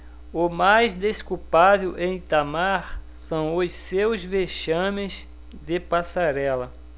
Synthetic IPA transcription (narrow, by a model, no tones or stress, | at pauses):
ʊmajzd̪eskupavewʔẽj̃t̪amaɾ | sɐ̃w̃ʊssewzveʃɐ̃mẽz | d̪ɪpasaɾɛlɐ